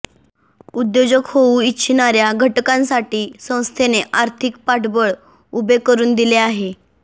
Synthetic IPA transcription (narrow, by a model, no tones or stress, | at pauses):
ud̪jod͡ʑəkhouiːɕʰinaɾjaɡʱəʈkãnsaʈiːsə̃w̃st̪ʰeneʔaɾt̪ʰik̚paʈbəɭ | ubekəɾuːnd̪ileaɦe